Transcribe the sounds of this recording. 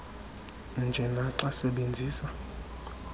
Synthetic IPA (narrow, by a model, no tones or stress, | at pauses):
nd͡ʒʱɛnaǁasɛɓend͡zʱiːsa